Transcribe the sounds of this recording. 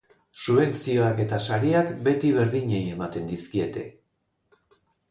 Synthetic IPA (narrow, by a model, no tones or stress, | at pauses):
suβe̞nt͡sio̞ake̞t̪asaɾiakbe̞t̪iβe̞ɾðiɲe̞je̞mat̪e̞nd̪iskie̞t̪e̞